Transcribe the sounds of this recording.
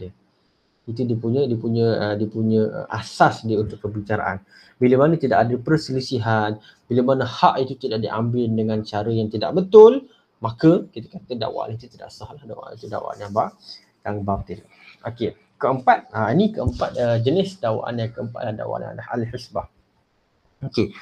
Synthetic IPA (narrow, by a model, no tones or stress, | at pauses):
də | it̪udipuɲədipuɲə̃ədipuɲə̃ə̰ʔa̰sasdiunt̪ʊʔkːəbit͡ʃaɾa̰ʔa̰n | biləmanət̪idaʔadəpərsəlisiɦan | biləmanəhaʔit̪ut̪idaʔ̚diʔa̰mbɪldəŋant͡ʃaɾəjaŋt̪ida̰ʔ̚bət̪ʊl | makəkit̪ḁkat̪əda̰wa̰ʔlait̪ut̪ida̰ʔsahlahdawa̰ʔit̪uda̰wa̰ʔnjaŋbaʔ | k̪aŋbap̚t̪ida̰ʔoke | kəəmpat̪̚əinikəəmpat̪̚əd͡ʒənɪsdawa̰ʔa̰njaŋkəəmpa̰t̪lahda̰wa̰ʔla̰lahalħisbah | oke